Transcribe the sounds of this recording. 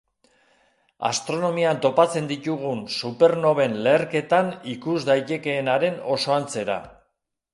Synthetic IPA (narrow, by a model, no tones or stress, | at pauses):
a̰st̪ɾo̞no̞miant̪o̞pat͡se̞nd̪it̪uɣunsupe̞ɾno̞βe̞nle̞ːɾke̞t̪anikuzd̪ajt̪e̞ke̞ːnaɾe̞no̞so̞ant͡se̞ɾa̰